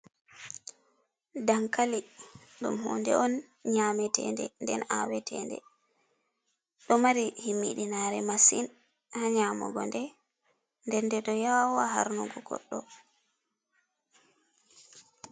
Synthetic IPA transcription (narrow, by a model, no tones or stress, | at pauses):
daŋkali | ɗumɦɔ̰ːndɛ̰ɔn | ɲamɛtʰɛ̰ndɛ̰ndɛnawɛtʰɛ̰ndɛ̰ | ɗɔmaɾihimːḭɗinaɾɛmasin | haɲaːmɔ̰ɡɔndɛ | ndɛndɛɗɔjawaɦa̰ɾnuɡɔɡɔ̰ɗːɔ